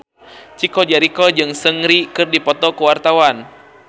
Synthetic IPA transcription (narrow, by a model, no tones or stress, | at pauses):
t͡ʃikɔd͡ʒaɾikɔd͡ʒɨŋsəŋɾikɨrdipɔt̪ɔkəwart̪awan